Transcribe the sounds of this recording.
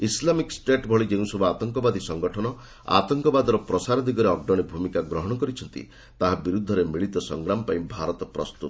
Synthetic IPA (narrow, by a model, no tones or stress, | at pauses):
islamiksʈeʈbʱɔɭid͡ʒeũsɔbʱuat̪ɔŋkɔbad̪ʱisɔŋɡɔʈʰɔnɔ | a̰t̪ɔŋkɔbad̪ɔɾɔpɾɔsaɾɔd̪iɡɔɾeɔɡ̚ɖɔɽ̃ibʱumikaɡɾɔɦɔɽ̃ɔkɔɾit͡ʃʰɔnt̪ḭ | t̪aɦabiɾud̪ʱːɔɾemiɭit̪ɔsɔ̰ŋɡɾamɔpaĩbʱaɾɔt̪ɔpɾɔst̪ut̪